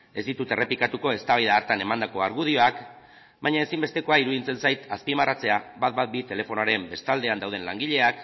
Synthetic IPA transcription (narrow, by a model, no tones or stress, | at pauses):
e̞zd̪it̪ut̪e̞re̞pikat̪uko̞e̞st̪aβajðaːɾt̪ane̞mand̪ako̞aɾɣuð̞io̞ak | bajɲae̞simbe̞st̪e̞ko̞aiɾuðint͡se̞nsajt̪aspimarat͡se̞aβat̪bat̪̚bit̪e̞le̞fo̞noaɾe̞mbe̞st̪ald̪e̞and̪awð̞e̞nlaŋɡiʎe̞ak